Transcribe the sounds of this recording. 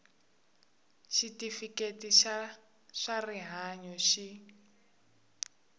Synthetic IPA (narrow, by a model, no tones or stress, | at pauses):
ʃitifiketiʃ | ʂariɦaɲɔʃi